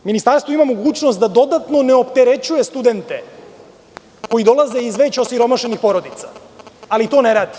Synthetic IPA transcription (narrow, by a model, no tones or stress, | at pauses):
minist̪aɾst̪ʋoimamoɡuːt͡ɕnost̪d̪ad̪o̞d̪at̪no̞neo̞pt̪eɾe̞t͡ɕuje̞st̪ud̪e̞nt̪e̞ | ko̞jid̪o̞laze̞izʋe̞t͡ɕosiɾo̞maʃenixpo̞ɾo̞d̪it̪sḁ | alit̪o̞neɾaːd̪i̥